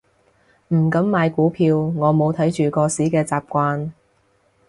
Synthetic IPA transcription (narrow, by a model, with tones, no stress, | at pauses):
m̩˨˩kɐ˨˥mːaː˨˧jkuː˨˥pʰiː˧wŋɔː˨˧mo˨˧wt̪ʰɐ˨˥jt͡ʃyː˨kɔː˧siː˨˥kɛː˧t͡saː˨˩p̚kʷaː˧n